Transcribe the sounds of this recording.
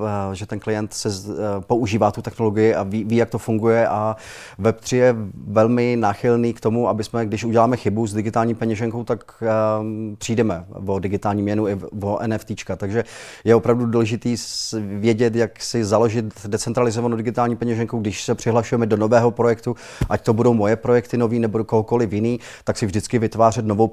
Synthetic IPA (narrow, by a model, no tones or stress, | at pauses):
ʒɛt̪ɛnklɪjɛnt̪sɛpo̞uʒiːvaːt̪ut̪ɛxno̞lo̞ɡɪjɪaviviːjak̚t̪o̞fuŋɡujɛʔa | vɛpt̪r̥ɪjɛvɛlmɪnaːxɪlniːkt̪omuʔabɪsmɛɡdɪʃʔuɟɛlaːmɛxɪbuzdɪɡɪt̪aːlɲiːpɛɲɛʒɛŋko̞wt̪ak | pr̥iːdɛmɛvo̞dɪɡɪt̪aːlɲiːmɲɛnuɪvoʔɛ̰nɛft̪iːt͡ʃkat̪aɡʒɛjɛo̞pɾavduduːlɛʒɪt̪iːvjɛɟɛt̪jaksɪzalo̞ʒɪt̪dɛt͡sɛnt̪ɾalɪzovanowdɪɡɪt̪aːlɲiːpɛɲɛʒɛŋkowɡdɪʃsɛpr̥ɪɦlaʃujɛmɛdo̞no̞vɛːɦo̞pɾo̞jɛkt̪u | ʔact̪o̞budo̞wmo̞jɛpɾo̞jɛkt̪ɪno̞viːnɛbodoko̞ɦoko̞lɪfjɪniː | t̪aksɪvʒdɪt͡skɪvɪt̪vaːr̝ɛt̪no̞vow